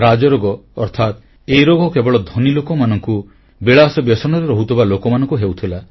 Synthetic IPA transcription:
ɾad͡ʒɔɾoɡɔɔɾt̪ʰat̪ | eiɾoɡɔkebɔɭɔd̪ʱɔnilokɔmanɔŋku | beɭasɔbjɔsɔnɔɾeɾɔɦut̪ʰibalokɔmanɔ̃ŋkuɦewt̪ʰila

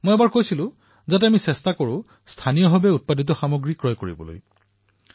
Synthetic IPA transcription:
mojɛbaɹkojsilʊ̃ | zatɛamisɛstakoɹʊ̃ | stʰanijɔɦɔbɛut̚padit̬ɔxamoɡɹikɹɔjkoɹḭbɔ̰lo̰j

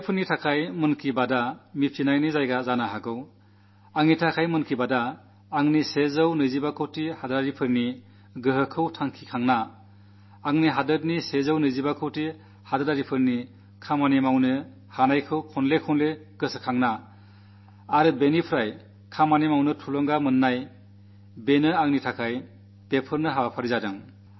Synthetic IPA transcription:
pʰɯɾnitʰakʰajmɯnkʰibadamipʰinajnizajɡazanaɦaɡɯw | aŋnitʰakʰajmɯnkʰibadaː | ŋnisezɯwnɯjzibakʰɯwtihadaɾaɾipʰɯɾni | ɡɯɦɯkʰɯwtʰaŋkʰikʰaŋnaː | ŋniɦadɯt̚nisezɯwnɯjzibakʰɯwti | hadaɾaɾipʰɯɾni | kʰamanimawnɯ | hanajkʰɯwkʰɔnlekʰɔnle | ɡ̥ɯsɯkʰaŋna | ɾɯbenipʰɾaj | kʰamanimawnɯtʰulɔŋɡamɯnːaj | benɯaŋnitʰakʰaj | pepʰɯɾnɯɦawapʰaɾizadɯŋ

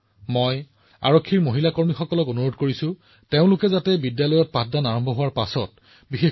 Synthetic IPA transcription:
moj | a̰ɹokʰːiɹmoɦilakoɹmixɔkɔlɔkonuɹodkoɹisʊ̃ | teʊ̃lʊkɛzatɛbidjalɔjɔt̚padanaɹɔmbʱɔɦʊwaɹpasɔt̚ | bixe

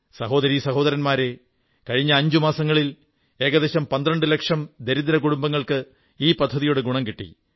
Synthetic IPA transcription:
sɐɦo̞ːd̪ɐɾisɐɦo̞ːðɐɾɐnmaːɾe̞ | kɐɻiɲːɐːɲd͡ʑumaːsɐŋːɐɭil | e̞ːɡɐd̪eːɕɐmpɐnd̪rɐɳɖɨlekʂɐmd̪eɾid̪ɐɾɐkuɽumbɐŋːɐɭkɨ | iːpɐd̪ʱːɐðijoːɽeɡuɳɐmkiʈːḭ

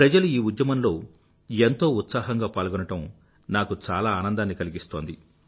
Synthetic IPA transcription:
pɾɐd͡ʒɐluiːud̪jɐmɐnlo̞ː | ent̪o̞ːut̪saːɦɐŋɡaːpaːlɡunɐʈɐm | naːkut͡ʃaːlaːaːnɐnd̪aːnːikɐliɡist̪o̞ːnd̪i

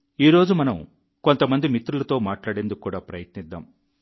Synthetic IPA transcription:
iːɾo̞ːd͡ʒumɐnɐm | ko̞nt̪ɐmɐnd̪imit̪ːɾulɐt̪o̞ːmaːʈlaːɽe̞nd̪ukːkːuːɽaːpɾɐjɐt̪nid̪ːa̰ːm

